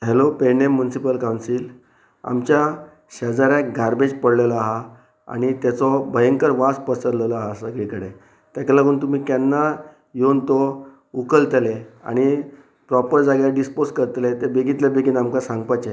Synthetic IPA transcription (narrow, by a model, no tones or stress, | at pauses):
ɦelopenemːjunisipəlkawnsil | a̰mt͡ɕja | ɕəd͡zaɾjakɡʱaɾbed͡ʑpəɽlelɔaɦa | a̰ɽ̃it̪jat͡sɔbəjəŋkəɾʋaspəsəɾlelɔaɦasəɡɭikəɽe | t̪jakalaɡuːnt̪um̤iːkanːa | jont̪ɔ | ukəlt̪lea̰ɽ̃i | pɾɔpəɾd͡zaɡjaɖisposkəɾt̪let̪ebeɡit̪ljabeɡinamkasãŋɡpat͡ɕe